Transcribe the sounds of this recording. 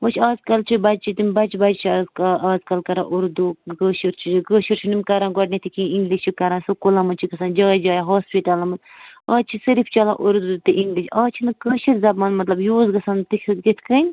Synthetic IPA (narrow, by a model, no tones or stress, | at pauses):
ot͡ʃʰaːzkɐlt͡ʃʰubɐd͡ʒt͡ʃʰit̪imʲbɐt͡ʃʰbɐd͡ʒt͡ʃʰizaːzkɐlkɐɾã̰ːʔuɾd̪uɡəːʃiɾt͡ʃʰiɡəːʃiɾt͡ʃʰinimʲkɐɾãːɡɐɖnʲit̪ʰikĩiŋɡliʃt͡ʃʰikɐɾãːnsukulãːmɐt͡ʃʰiɡɐsãːnd͡ʒaːd͡ʒaːjaɦoːspiʈalɐmɐt̪ɐːt͡ʃʰisɐɾipʰt͡ʃɐlã̰ːʔuɾd̪ut̪ɨʔiŋɡliʃaːt͡ʃʰinɨkəʃiɾzɐbmɐːnmɐt̪lɐbjuːzɡɐsaːnt̪ikʰɡit̪ʰkɐnʲ